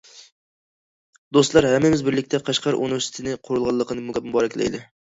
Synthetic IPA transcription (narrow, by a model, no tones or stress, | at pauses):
d̪ost̪lˠɑɾhæmːɪmɪzbɪɾlɪkʲt̪ʰɛqʰɑʃqʰɑɾʔṵnɪvɪɾsɪ̥t̪ʰɪnɪqʰoɾɨlˠʁɑlˠːəqʰənɪmʊɡʲɛpmubɑɾɛkʲlɛ̰jd̪ɪ